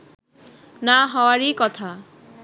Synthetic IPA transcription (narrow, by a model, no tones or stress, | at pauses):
naɦɔwaɾikɔt̪ʰa